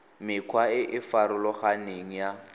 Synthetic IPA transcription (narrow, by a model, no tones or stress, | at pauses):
mɪkʰwaɪʔɪfaɾʊlɔχaneŋ̩ja